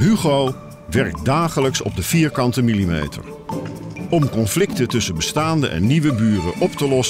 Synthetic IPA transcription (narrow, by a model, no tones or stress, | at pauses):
ɦyχow | ʋɛɹk̚daːχələksɔ̰b̚dəv̥iːɹkɑntəmilimḛjtə̰ɹ | ɔmkɔnflɪktətɵsənbəstaːndə̰ʔɛ̰nːiʋəbyːrə̰ʔɔptəlɔs